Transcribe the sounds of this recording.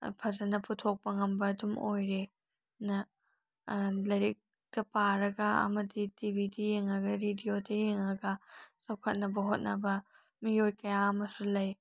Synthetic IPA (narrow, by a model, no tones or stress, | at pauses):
pʰɐzɐnɐputʰok̚pɐŋɐmbɐːdumojɾe | nɐ | lɐɾik̚ | tɐpaɾɐɡɐɐ̰mɐditibidɐjeŋɾɐɡɐɾidiodɐjeŋɾɐɡɐsɐwkʰɐt̚nɐbɐɦot̚nɐbɐ | miojkɐjaɐmɐsulɐj